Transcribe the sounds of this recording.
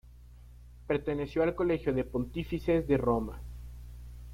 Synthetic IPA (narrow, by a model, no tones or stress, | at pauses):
pe̞ɾt̪e̞ne̞sjo̞alko̞le̞xjo̞ðe̞po̞nt̪ifise̞zðe̞ro̞ma̰